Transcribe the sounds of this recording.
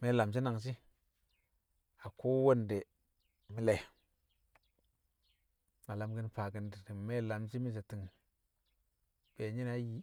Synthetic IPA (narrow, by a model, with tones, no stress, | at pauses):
me˦la˨ms̬i˦na˨ŋs̬i˦ | a˨ko˦wo˦nde˨ | mi˦le˨ | ŋa˨la˨mɡə˦npa˨ɡi˨ndi˨di˨me˦la˨ms̬i˦mi˦s̬e˨ti˨ŋ | b̥e˨ɲi˦na˦ji˦